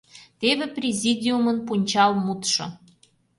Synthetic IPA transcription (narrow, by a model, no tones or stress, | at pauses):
t̪eβeprʲezʲid̪ʲiumənpunʲt͡ɕɑlmut̪ʃŏ̰